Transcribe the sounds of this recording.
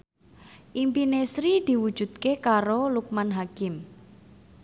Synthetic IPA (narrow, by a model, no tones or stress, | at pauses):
ʔimpinesɾid̪̥i̤wud̥ʒ̥ṳd̪̥̚kekaɾoluk̚manɦakɪm